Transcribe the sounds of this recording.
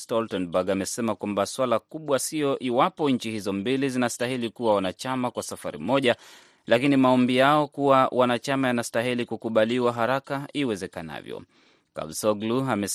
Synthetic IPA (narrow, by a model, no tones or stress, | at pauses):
stɔltɛnbaɡamɛsɛmakwambaswalakuɓwasijɔʔiwapɔɲ̩t͡ʃihizɔmbilizinastahilikuwawanat͡ʃamakwasafa̰ɾḭmɔʄa | lakinimaɔmbijaɔkuwawʔanat͡ʃamajanastaɦilikukuɓaliwaɦaɾakaiwɛzɛkana̰vjɔ̰ | ka̰bsɔɡluamɛ